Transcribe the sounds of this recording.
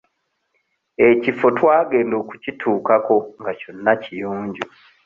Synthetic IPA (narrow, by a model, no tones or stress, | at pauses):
e̞cifo̞twaːɡe̞ːndo̞ːku̥citʰuːkako̞ŋɡaco̞nːacijuːɲɟu